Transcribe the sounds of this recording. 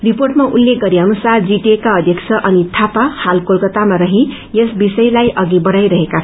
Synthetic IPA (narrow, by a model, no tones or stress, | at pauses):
riporʈmaʔulːek̚ɡʌɾiɦʌnusard͡ziʈekaʌd̪ʱjʌksʰʌʔʌnit̪ʰapahalkolkʌt̪amaɾʌɦĩ | jesbisʌjlajʔʌɡibʌɽajɾʌɦeka